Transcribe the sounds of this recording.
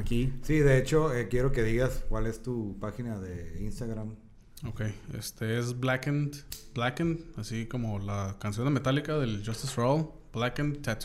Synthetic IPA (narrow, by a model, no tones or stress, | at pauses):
akisiðe̞e̞t͡ʃo̞ekje̞ɾo̞ke̞ðiɣaskwale̞st̪upaxinaðe̞inst̪aɣɾam | okeje̞̰st̪e̞esblakend̪blakend̪asiko̞mo̞lakansjoname̞t̪alikaðe̞ld͡ʒost̪isrol | b̥lakent͡ʃat̪